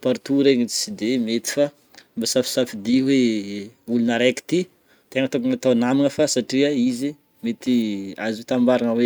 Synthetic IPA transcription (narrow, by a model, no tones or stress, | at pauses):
paɾt̪uɾeɲisid̪emet̪i̥fa | mbasafi̥safid̪iwe | ulunəɾeki̥t̪i | t̪eŋət̪ukunat̪awnamiŋəfasaʈ͡ʂiaizi | met̪iaziwet̪ambaɾaŋəwe